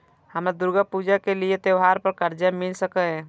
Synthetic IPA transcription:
hɐmɾad̪ʊɾɡapuːd͡ʒakeliet̪jeʋɦaːɾpəɾkəɾd͡ʒamɪlsəkəɦɛ̃ː

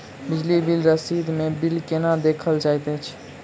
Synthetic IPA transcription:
bɪd͡ʒlibɪlɾəsid̪mẽbɪlkenad̪eːkʰəld͡ʒaːjt̪et͡ʃʰ

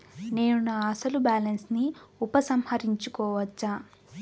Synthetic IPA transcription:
ne̞ːnunaːɐsɐlubaːlɐnsniupɐsɐmhɐɾiɲt͡ʃukɔːʋɐt͡ʃːaː

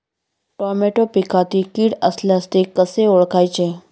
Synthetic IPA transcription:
ʈɔɾmeʈopikʰat̪ikiɽəsljãst̪ekəseoɭkajt͡ɕʰe

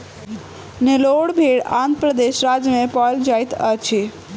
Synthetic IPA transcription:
neloɽbʱiːɽãːnt̪pɾəd̪eʃɾaːd͡ʒjəmẽpɔld͡ʒaːit̪ət͡ʃʰi

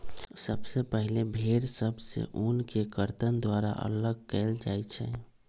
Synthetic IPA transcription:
səbsepəɦilebʱeɾsəbʱsḛʔunkekəɾt̪ənd̪waɾa̰ʔə̰ləɡ̚kɛːld͡ʒajt͡ʃʰɛ̰

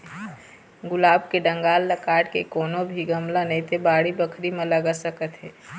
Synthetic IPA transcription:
ɡʊlaːbkeɖə̃ŋɡaːlːəkaɽkekoːnobʱiɡəmlanɛ̃ĩt̪ebaːɽibəkʰɾimẽləɡəsəkət̪ɦɛː

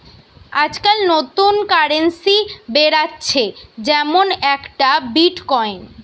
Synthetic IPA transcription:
ad͡ʑkalnot̪unkaɾensibeɾatːɕʰed͡ʑɛmonɛkʈabiʈkɔjn

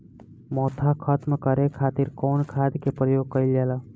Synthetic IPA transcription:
mɔːt̪ʰakʰət̪mkəɾekʰaːt̪iɾkɔːnkʰad̪kepɾəjoːɡ̚kəɪld͡ʒaːla

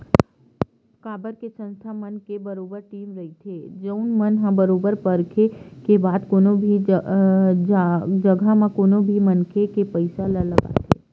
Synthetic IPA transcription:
kaːbəɾkesə̃nst̪ʰamənkebəɾoːbəɾʈiːmɾɐɦit̪ʰeːd͡ʒəʊnmənɦãbəɾoːbəɾpəɾkʰekebaːd̪koːnobʱi | d͡ʒd͡ʒəɡʱamãkoːnobʱimənkʰekepəɪsalələɡa̰t̪ʰeː

